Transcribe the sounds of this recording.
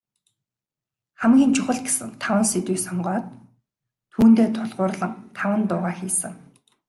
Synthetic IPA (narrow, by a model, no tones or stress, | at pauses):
χæmɡʲiːnt͡ɕʰʊχə̆ɮt̪̚ɡe̥sɘ̆ŋt̪ʰawə̆nset̪wuːksɔmɢɔːt̪ʰː | uːnt̪eːt̪ʰʊɮʁʊːrɮə̆ŋt̪ʰawə̆nt̪ʊːʁaːxiːsə̆ŋ